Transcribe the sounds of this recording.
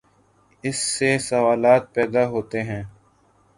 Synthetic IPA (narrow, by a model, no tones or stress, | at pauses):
ɪsːesɐʋaːlaːt̪̚pɛːd̪aɦoːt̪eɦɛ̃ː